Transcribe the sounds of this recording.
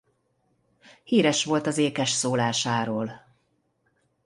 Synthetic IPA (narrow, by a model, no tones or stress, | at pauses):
hiːɾɛʃʋo̞lt̪ɒzeːkɛʃsoːlaːʃaːɾoːl